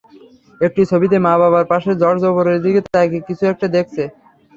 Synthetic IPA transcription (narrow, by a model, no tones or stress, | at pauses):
ek̚ʈit͡ɕʰobit̪̬emaβaβaɾpaʃed͡ʑɔɾd͡ʑɔboɾeɾd̪iɡet̪akekit͡ɕʰuɛk̚ʈad̪ek̚ʰt͡ɕʰe